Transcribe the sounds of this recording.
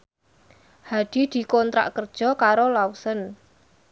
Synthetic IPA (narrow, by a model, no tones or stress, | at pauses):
had̪̥i̤d̪̥i̤kɔnt̪ɾa̰ʔkərd̥ʒ̥ɔ̤kaɾolawusən